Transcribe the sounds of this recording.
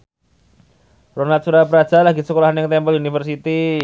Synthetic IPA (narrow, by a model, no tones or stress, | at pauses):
ronat̪̚suɾapəɾad̥d͡ʒ̥alaɡisəkolaɦanjaŋt̪ɛmpəliunifərsit̪i